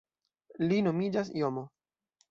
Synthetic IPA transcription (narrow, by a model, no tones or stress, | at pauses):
lino̞mid͡ʒas̬ijomo